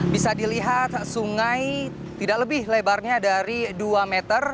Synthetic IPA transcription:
bisadiliɦat̪suŋaj | t̪idak̚ləbɪhlebarɲadaɾiduamet̪ər

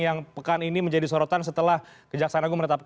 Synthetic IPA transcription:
jaŋpəkaniniməɲd͡ʒadisoɾot̪ansət̪əlahkəd͡ʒak̚sanaɡumənət̪ap̚k

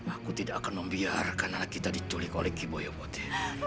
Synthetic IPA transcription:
akut̪idakːakanməmbiarkanaakit̪adit̪uliko̰lɛkibojopot̪ɛ̥

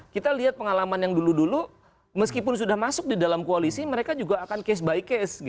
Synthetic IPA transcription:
kit̪aliɦat̪̚pəŋalamanjaŋduludulu | məskipʊnsudahmasʊk̚didalamkoalisiməɾekad͡ʒuɡaːkankɛs̬baɪkɛsɡ

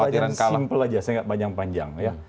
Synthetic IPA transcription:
ad͡ʒaɾaŋasimpəlad͡ʒasajaŋɡaʔbaɲaŋpaɲd͡ʒa̰ŋja

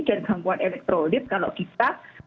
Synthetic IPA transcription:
danɡaŋkuanɛlɛk̚t̪ɾodɪt̪̚kaloʔkit̪a

